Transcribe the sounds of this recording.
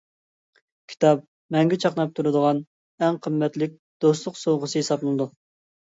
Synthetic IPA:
kʲʰi̥t̪ʰɑp̚ | mɛŋɡʲɛt͡ʃʰɑqnɑp̚t̪ʰuɾɨd̪əʁɑn | ɛŋqʰəmːɛt̪lɪk̚ʲ | d̪̥oslˠʊqsowʁəsɨjesɑplˠnˠɨd̪u

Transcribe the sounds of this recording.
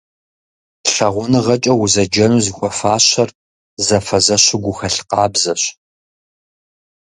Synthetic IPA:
ɬɐʁʷʊnɨʁɐt͡ʃʼɐwʊzɐd͡ʒɐnuzɨxʷʼɔfaːɕɐr | zɐfɐzɐɕɪɡʷʊxɐɬqɑːbzɐɕ

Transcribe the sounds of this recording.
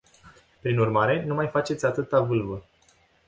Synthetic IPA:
pɾinurmaɾe̞numajfat͡ʃe̞t̪sʲat̪ɨt̪avɨlvə

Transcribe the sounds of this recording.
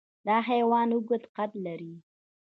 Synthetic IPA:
d̪ɑɦajwɑnuɡʊt̪qat̪laɾi

